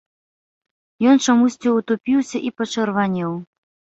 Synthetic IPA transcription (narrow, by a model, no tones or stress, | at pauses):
jɔnt͡ʂamusʲt͡sʲiut̪upʲiwsʲɐʔipɐt͡ʂɐrvanʲɛw